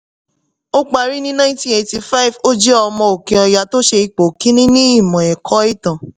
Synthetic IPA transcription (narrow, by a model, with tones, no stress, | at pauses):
o˦k͡pa˧ɾi˦nĩ˦nã˦ĩ˦tĩ˦e˧˨ti˧fa˦i˨vo˦d͡ʒɛ˦ɔ˧mɔ̃˧o˨kĩ˨ɔ˧ja˨˧to˦ʃe˧i˧k͡po˨kĩ˨˦nĩ˦nĩ˦i˦˨mɔ̃˨ɛ˨kʰɔ˨˦i˦˨tã˨